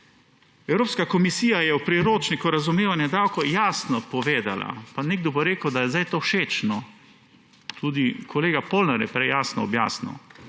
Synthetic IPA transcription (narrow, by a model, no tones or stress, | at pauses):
ɛwɾoːpskakɔmisiːjajɛwpɾiɾoːt͡ʃnikuɾazumeːʋanjɛd̪aːwkɔjaːsnɔpɔʋeːd̪a̰la̰paneɡ̚d̪ɔboɾeːkəwd̪ajɛzd̪ajt̪oːʃeːt͡ʃnɔ | t̪ʰuːd̪ikʰɔleːɡapolnaɾjɛ̰pɾɛjaːsnɔɔbja̰ːsnɐ̰